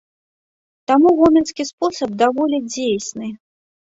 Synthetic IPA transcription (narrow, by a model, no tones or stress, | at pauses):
t̪amuɣɔmʲɛnskʲispɔsɐb̚d̪avɔlʲɛd͡zʲejsʲnɨ